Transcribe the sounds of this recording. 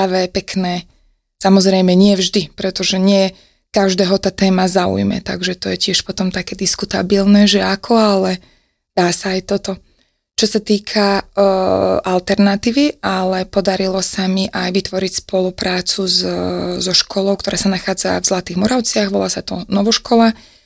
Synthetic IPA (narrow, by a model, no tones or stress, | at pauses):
aʋɛpɛknɛː | samɔzɾɛjmɛɲɪɛvʒd̪ipɾɛt̪ɔʒɛɲɪɛ | kaʒd̪ɛːɦɔt̪aːt̪ɛːmazaṵjmɛ̰t̪a̰ɡʒɛt̪ɔjɛcɪɛʃpɔt̪ɔmt̪akɛːd̪iskut̪abilnɛʒɛakʰɔalɛ | d̪̥aːsaːjt̪ɔt̪ɔ | t͡ʃɔsat̪iːkʰa | ʔalt̪ɛɾnat̪iːʋialɛpɔd̪aɾilɔsamiʔajʋit̪ʋɔɾicspɔlupɾaːt͡suzzɔʃkʰɔlɔʊkt̪ɔɾʔaːsanaxaːd͡zavzlat̪iːɣmɔɾaʊt͡sɪaɣʋɔla̰ːsat̪ɔnɔʋɔʃkɔla